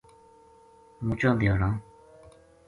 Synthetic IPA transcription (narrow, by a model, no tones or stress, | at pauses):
mut͡ɕɔt̪eɹaŋ